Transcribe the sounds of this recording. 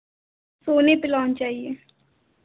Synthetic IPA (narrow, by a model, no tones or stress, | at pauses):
soːneːpɪlaːnt͡ʃaːieː